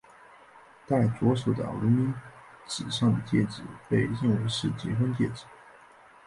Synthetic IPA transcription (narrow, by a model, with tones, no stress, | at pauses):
t̪a˥˩ɪt͡swɔ˧˥ʂo˨˩d̪ə̰˨˩lu˧˥mi˥n | t͡sɻ̩˨˩ʂɑ˥˩ŋd̪ə˩t͡ɕ̪jɛ˥˩ʈ͡ʂɻ̩˨˩˦pe˥˧ɪɻi˥˩ŋwe˧˥ɪʂɻ̩˥˩t͡ɕi˧˥xwə˥nt͡ɕ̪jɛ̰˥˩ʈ͡ʂɻ̩˨˩˦